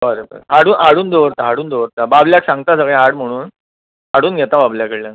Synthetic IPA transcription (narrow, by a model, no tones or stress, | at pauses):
bəɾebə̰ɾaɽuːnʔaɽuːnd̪oʋɾt̪aːɽuːnd̪oʋɾt̪ababljaksãŋɡt̪asəɡɛ̃aɽm̤əɽ̃uːn | aɽuːnɡʱɛt̪ababljakeɽljan